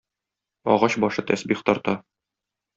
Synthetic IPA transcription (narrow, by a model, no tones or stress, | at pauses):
ɒ̰ʁɑɕbɒʃɤt̪æsbiχt̪ɒɾt̪ɑ